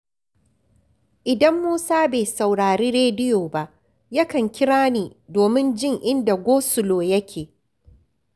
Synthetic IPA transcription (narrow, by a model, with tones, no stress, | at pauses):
ʔɪ˨dɐ˦mːuː˦saː˦be˨sa˨wɽaː˨ɾiː˦ɾeː˦dɪ˦joː˨ba˦ʔ | jɐ˦kɐ˨ŋkʲɪ˦ɽaː˦niː˨doː˨mɪ˦nd͡ʒɪ˦ŋʔɪ˦nda˨ɡʷoː˦sʊ˨loː˨jɐ˦kʲʰeː˨